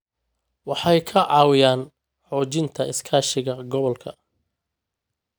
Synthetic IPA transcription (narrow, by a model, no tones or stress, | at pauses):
wɑħɑjkʰɐʕɑːwɪjaːn | ħɔːt͡ʃɪnt̪ʰɐʔɪskʰaːʃɪɣɐɡɔβɔlkʰɐ